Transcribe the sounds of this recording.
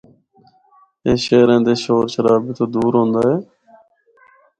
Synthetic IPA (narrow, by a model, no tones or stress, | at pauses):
eːʃeːɾẽːnd̪eːʃoːɾʃəɾaːbɪt̪ʰoːd̪uːɾɦõːnd̪aːɦeː